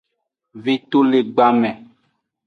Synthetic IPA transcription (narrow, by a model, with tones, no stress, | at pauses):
vi˦t̪o˦le˨ɡ͡ba˦mɛ̃˨